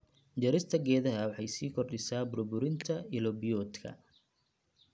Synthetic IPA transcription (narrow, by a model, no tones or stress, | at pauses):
d͡ʒɐɾɪst̪ʰɐɡɛːðɐɦɐwɑħɑjsiːkʰɔrɗɪsaːbʊɾbʊɾɪnt̪ʰɐɪlɔbijɔːt̪kʰɐ̰